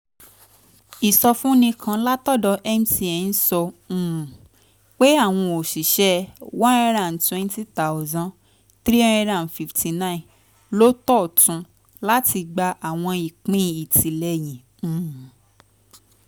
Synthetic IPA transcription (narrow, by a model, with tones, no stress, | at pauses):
i˨sɔ˧fũ˦nĩ˧kʰã˧la˦tɔ˦˨dɔ˧ʔɛ˦m˦si˧˦e˨n̩˦sɔ̃˧˦˨ | k͡pe˦a˦˨w̃ɔ̃˧o˨ʃi˨ʃɛ˦wɔ̃˦ɛ˧˦ɾã˨n˨twɛ̃˦n˦ti˦ta˨ʊ˨zã˦ | tɾĩ˦ɛ˧ɾã˨n˨fi˨ftʰi˨nã˦ĩ˨ | lo˦tɔ˦˨tũ˧ | la˦ti˧ɡ͡ba˧ʔa˨w̃ɔ̃˧i˨k͡pĩ˨˦˨i˨ti˨lɛ˧jĩ˨